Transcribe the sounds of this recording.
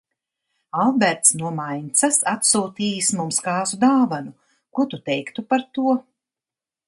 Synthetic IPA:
alˠbʲɛɾt̪snuɔmajnt̪sasat̪suːt̪iːjsmumskaːzud̪aːvanu | kut̪ut̪ɛjkt̪upaɾt̪uɔ

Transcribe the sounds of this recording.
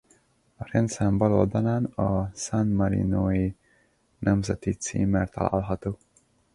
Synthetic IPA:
ɒɾɛnt̪sɛmbɒlold̪ɒnaːnɒsanmɒɾḭnoːi | nʔɛmzɛt̪it̪sḭːmert̪ɒ̰la̰ːlɦɒt̪oː

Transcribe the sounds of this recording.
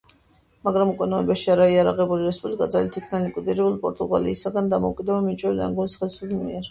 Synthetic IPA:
maɡɾamukʼwɛnaɛbɛʃiaɾaiaɾaʁɛbuliɾɛspʼublikʼad̪zɛlit̪ʰikʰnalikʼwid̪iɾɛbulˠpʼɔɾt̪ʼuɡa̰lḭːsaɡand̪amɔukʼid̪ɛbamit͡ʃʼwɛlia̰ŋɡunisχɛlsulmḭɛɾ

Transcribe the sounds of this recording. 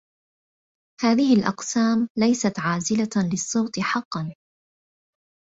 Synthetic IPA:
haːðɪhɪlʔɑ̰qsaːmlajsat̪ʕaːzɪlalɪsˤːoːt̪ɨħɑqːɑn

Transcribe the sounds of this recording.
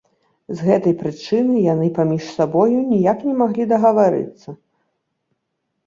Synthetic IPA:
zɣɛt̪ɐjpɾɨt͡ʂɨnɨjan̪ɨpamʲiʂsabɔjunʲijaknʲɛmaɣlʲid̪ɐɣɐvaɾɨ̰t̪sːɐ

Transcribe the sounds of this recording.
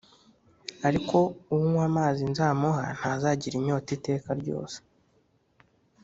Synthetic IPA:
aɾiko̞uwuŋwamaːzinzaːmoɦa̰n̥hazaːɟiɾimɲo̞ːtite̞ːkaɾɟo̞̰ːse̥

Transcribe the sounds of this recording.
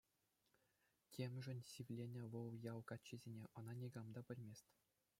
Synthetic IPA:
kʲemʲʐɘ̆nʲsʲiʋʲlʲenʲɘ̆ʋɤ̆lˠjɑlˠkɑt͡ɕːɘ̆zʲenʲeʔɤ̆nɑnʲeɡɑmd̪ɑpʲɘ̆lʲmʲesʲt̪ʲ

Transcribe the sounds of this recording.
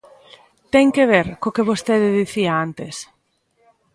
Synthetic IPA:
t̪ɛŋkeβ̞eɾkokeβost̪eðɪðiθiaant̪es

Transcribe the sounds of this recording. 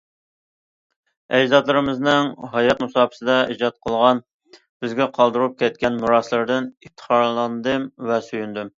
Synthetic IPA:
ɛd͡ʒzɑt̪lˠɨɾɨmɨznɨŋɦɑjɑt̪musɑːpʰɨ̥sɨd̪ɑid͡ʒɑt̪̚qʰəlˠʁɑn | b̥ɪzɡʲɛqʰɑlˠd̪uɾup̚kʲɛt̪̚kʲɛnmuɾɑslˠɨɾd̪ɨnipt̪ʰːə̥χɑɾlˠɑnd̪ɨmvɛsyjynd̪ym

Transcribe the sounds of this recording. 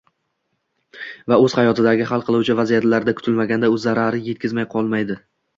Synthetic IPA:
vaɵz̥hajɒt̪ʰɪd̪aɡʲɪhalˠqʰɨlˠuwt͡ʃʰɪvazijat̪laɾd̪akʰʊ̥t̪ʰɪlmaɡʲand̪aɵzːaɾaɾɪje̞t̪̚kʲɪzmajqʰɒlˠmajd̪ɪ

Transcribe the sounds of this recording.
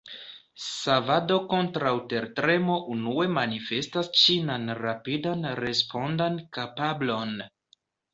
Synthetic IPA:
savado̞ko̞ntɾawte̞ɾtɾe̞mo̞ʔunue̞manife̞stast͡ʃinanɾapidanɾe̞spʰo̞ndankapablo̞n

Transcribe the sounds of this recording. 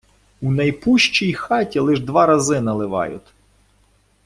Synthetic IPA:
unɐjpuʃt͡ʃijxɑtʲilˠɪʒd̪ʋɑɾɐzɪnɐlˠɪʋɑ̰jʊ̰t̪ʲ

